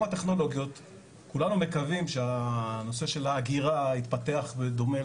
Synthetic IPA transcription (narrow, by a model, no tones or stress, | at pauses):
at̪e̞χno̞lo̞ɡjo̞t̪ | kulanume̞kavimʃeano̞se̞ʃe̞laːɡiʁait̪pat̪e̞aχbed̪o̞me